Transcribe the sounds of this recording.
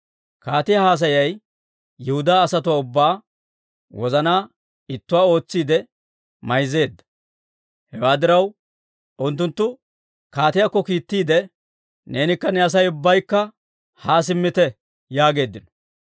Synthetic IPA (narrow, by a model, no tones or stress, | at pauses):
kaːt̪ɪjahaːs̬ɐjɐj | jɛhʊd̪aːsɐt̪ʊwaːʊbːaː | wɔzɐnaː | ɪt̪ːʊwaːo̞ːt͡sːiːd̪ɛ | mɐjze̞ːd̪ːɐ̥ | hɛwaːd̪ɪɾɐw | ʊnt̪ːʊnt̪ːʊ | kaːt̪ɪjakːɔkiːt̪ːiːd̪ɛ | ne̞ːnɪkːɐnɛɐs̬ɐjʊbːɐjkːɐ | haːs̬ɪmːɪt̪ɛ | jaːɡe̞ːd̪ːɪnɔ̥